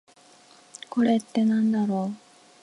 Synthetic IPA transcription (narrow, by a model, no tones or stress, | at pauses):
ko̞ɾe̞t̪ːe̞nãnd̪aɾo̞ː